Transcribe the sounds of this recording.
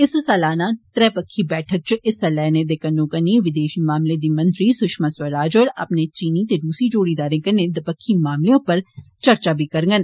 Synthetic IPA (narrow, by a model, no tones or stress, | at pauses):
ɪssɛːlaːnat̪ɾɛːpəkʰːibɛːʈʰək̚t͡ʃɪsɛlɛːned̪ekɐnːõːkɐniʋɪd̪eːʃimaːmled̪iːmɐ̃nt̪ɾisʊʃmaswɐɾaːd͡ʒɔːɾɐ̰pnet͡ʃiːnit̪ed̪uːsid͡ʒoːɽiːd̪aːɾẽkɐnẽd̪ɐpəkʰːimaːmliõpɐɾt͡ʃɐɾt͡ʃabʱikɐɾŋɡən